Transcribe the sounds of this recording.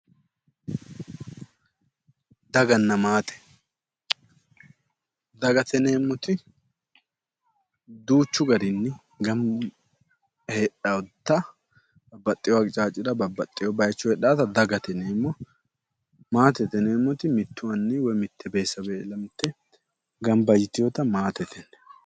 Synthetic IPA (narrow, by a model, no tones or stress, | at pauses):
d̪ɐɡɐnːɐmaːt̪ɛ̥ | d̪ɐɡɐt̪ʰɛneːmːɔt̪ɪ | d̪uːt͡ʃːʊɡɐɾɪnːɪ | ɡɐm | heːɗawt̪ːɐ | bɐbːɐt̪ʼːɪjɔwaɡt͡ʃʼaːt͡ʃʼːɪd̪ɐbɐbːɐt̪ʼːɪjɔbɐjt͡ʃːʊhɛːɗaːt̪ɐd̪ɐɡɐt̪ɛneːmːɔ | maːt̪ɛt̪ɛneːmːɔt̪ɪmɪt̪ːʊwɐnːɪwɔjmɪt̪ʰːɛbeːsːɐbeːlɐmɪt̪ʰːɛ | ɡɐmbɐjɪt̪ɪjɔt̪ɐmaːt̪ɛt̪ʰɛnːɛ